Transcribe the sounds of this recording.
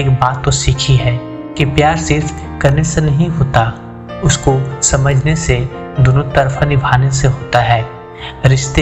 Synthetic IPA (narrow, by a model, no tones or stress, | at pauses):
eːkbaːt̪ːosiːkʰiɦɛː | kipjaːɾsɪɾf | kɐɾnesenɐɦĩɦoːt̪a | ʊskosɐməd͡ʒʱnese | d̪ʊnut̪ɐɾfʰanɪbʱaːneseɦoːt̪aɦɛː | ɾɪʃt̪e